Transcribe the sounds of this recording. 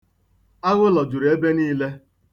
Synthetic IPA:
a˦ɣʊ˦lɔ˨d͡ʒʊ˨ɾe˦be˦niː˦le˦

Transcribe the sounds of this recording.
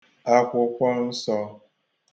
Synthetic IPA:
a˦kʷʊ˨˦kʷɔ˦n̩˦sɔ˦

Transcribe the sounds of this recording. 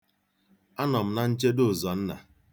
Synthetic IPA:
a˦nɔ˨m̩˦na˦n̩˦t͡ʃe˦dʊ˦˨zɔ˨n̩˦na̰˨

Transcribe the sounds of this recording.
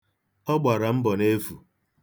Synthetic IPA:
ɔ˦ɡ͡ba˨ɾa˨m̩˦bɔ˨ne˦vṵ˨

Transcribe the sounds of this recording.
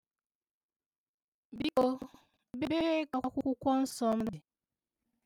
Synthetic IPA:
bi˦o˦ | bi˦be˦ka˨a˨kʷʊ˦kʷʊ˦kʷɔ˦n̩˦sɔ˦m̩˦dɪ˨

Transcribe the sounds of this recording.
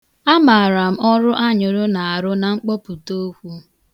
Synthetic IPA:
a˦ma˨ɾa˨m̩˦ʔɔ˦ɾʊ˦ʔa˦ɲʊ˨ɾʊ˦na˨a˨ɾʊ˦na˨ŋ͡m̩˦k͡pɔ˦pu˨to˦kʷu˦

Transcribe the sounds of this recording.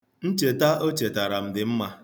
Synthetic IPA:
n̩˦t͡ʃe˨ta˦o˦t͡ʃe˨ta˨ɾa˨m̩˦dɪ˨m̩˦ma˦

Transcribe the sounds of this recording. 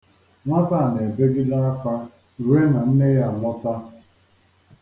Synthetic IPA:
ŋʷa˦ta˦˨n˨e˨be˦ɡi˦da˦a˦kʷa˦˨ | ɾwe˦na˨n̩˦ne˦ja˨mɔ˦ta˦

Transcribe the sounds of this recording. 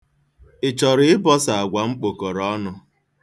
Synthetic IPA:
ɪ˨t͡ʃɔ˨ɾɪ˦ɪ˦bɔ˦sa˨a˨ɡʷa˨ŋ͡m̩˦k͡po˨ko˨ɾɔ˨˦nʊ˦

